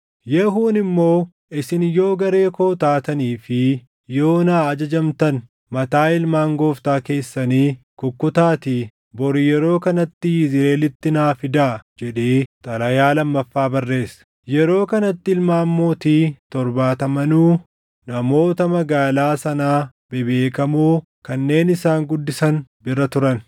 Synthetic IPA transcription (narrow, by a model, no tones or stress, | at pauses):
jɛɦuːnɪmːo̞ː | ɪsɪnjo̞ːɡɐɾe̞ːkoːt̪aːt̪ɐniːfɪ | jo̞ːnaːɐd͡ʒɐd͡ʒɐmt̪ɐn | mɐt̪aːɪlmaːŋɡo̞ːft̪aːke̞ːsːɐniː | kʊkːʊt̪aːt̪iː | bɔɾɪjɛɾo̞ːkɐnɐt̪ːɪjɪzɪɾeːlɪt̪ːɪnaːfɪd̪aːd͡ʒɛᶑeːt̪ʼɐlɐjaːlɐmːɐfːaːbɐrːe̞ːsɐ̥ | jɛɾo̞ːkɐnɐt̪ːɪɪlmaːmːoːt̪iːt̪ɔɾbaːt̪ɐmɐnuː | nɐmo̞ːt̪ɐmɐɡaːlaːsɐnaː | bɪbe̞ːkɐmuː | kɐnːe̞ːnɪsaːŋɡʊd̪ːɪsɐnbɪrːɐt̪ʊɾɐn